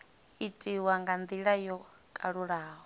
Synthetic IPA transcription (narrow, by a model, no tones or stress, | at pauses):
itʼiwaŋɡand̪iɺajɔ | kʼaɺuɺaːɦɔ